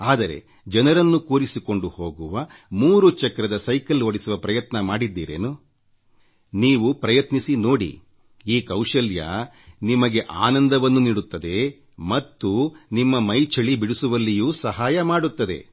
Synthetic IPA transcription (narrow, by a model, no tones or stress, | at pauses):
aːd̪ɐɾe̞̰ | d͡ʒɐnɐɾɐnːukuːɾisiko̞ɳɖuho̞ːɡuʋɐmuːɾut͡ʃɐkɐɾɐd̪ɐsɐjkɐloɽisuʋɐpɾɐjɐt̪nɐmaːɽid̪ːiːɾeːnu | niːʋupɾɐjɐt̪nisino̞ːɽḭ | iːkɐwʂɐljɐ̰ | nimɐɡe̞ʔaːnɐnd̪ɐʋɐnːuniːɽut̪ːɐd̪e̞ | mɐt̪ːunimːɐmɐjt͡ʃʰɐɭibiɽusuʋɐlːijuːsɐɦaːjɐmaːɽut̪ːɐd̪e̞̰